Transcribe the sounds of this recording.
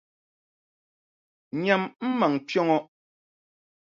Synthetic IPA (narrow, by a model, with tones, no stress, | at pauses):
ɲa˨mm̩˦ma˨ŋpjɔ˦ŋɔ˦